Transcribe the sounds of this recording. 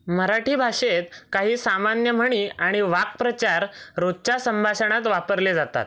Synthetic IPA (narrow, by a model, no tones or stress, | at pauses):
məɾaʈʰiːbʱaʂet̪kaɦiːsamanjəm̤əɽ̃iːaɽ̃iʋak̚pɾət͡ɕaɾɾod̪t͡ɕasəmbʱaɕəɽ̃at̪ʋapəɾled͡zat̪a̰t̪̚